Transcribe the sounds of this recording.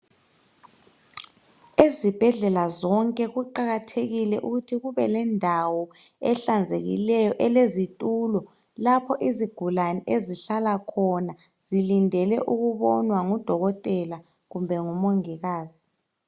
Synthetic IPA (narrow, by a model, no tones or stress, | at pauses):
ezib̥ʱɛɮɛlazɔŋkʼɛɣuǃaɣatʰeɣilɛʔuɣutʰiɣuβɛlɛndʱawɔ | ɛɬand͡zʱḛɣḭlɛjɔʔɛlezitʼuːlɔ | lapʰɔʔiziɡ̥ʱulanɛʔeziɬalakʰɔna | z̥ilindʱɛlɛ̰ʔuɣuβɔnwaŋud̥ʱɔɣɔtʼɛla | ɣumbʱɛŋumoŋiɣaːzi